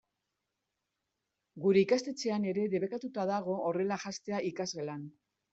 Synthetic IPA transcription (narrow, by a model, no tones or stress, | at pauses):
ɡuɾe̞ikast̪e̞t͡se̞ane̞ɾe̞ðe̞βe̞kat̪ut̪aðaɣ̞o̞ːre̞laʝast̪e̞aʔikazɣe̞lan